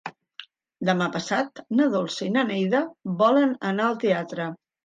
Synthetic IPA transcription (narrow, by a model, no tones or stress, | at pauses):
d̪əmapəsat̪nəðolˠsəinənɛjðəβɔlənənaəlˠt̪eat̪ɾə